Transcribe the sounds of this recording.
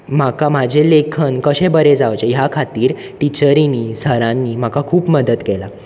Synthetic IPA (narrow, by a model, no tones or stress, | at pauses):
makamad͡ʑʱelekʰənkəɕẽbəɾed͡zaʋt͡ɕejakʰat̪iːɾ | ʈit͡ɕəɾiniːsəɾãnːiːm̤akakʰuːpməd̪ət̪kela